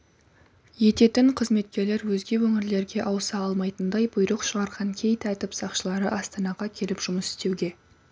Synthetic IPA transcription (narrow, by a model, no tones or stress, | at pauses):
je̞t̪e̞t̪ɪɴqʰəzme̞t̪̚kʲe̞ɾle̞ɾwɵzɡʲe̞wɵŋʲɪɾle̞ɾɡʲe̞ʔɑwsɑɑlˠmɑjt̪ənd̪ɑjbʊjɾəqʃəʁɑɾʁɑŋkʲʰe̞jt̪æt̪ɪpsɑqʃəlˠɑɾəʔɑst̪ɑnɑʁɑkʲʰe̞lɪpʒ̥ʊməsɪ̥st̪e̞wɡʲe̞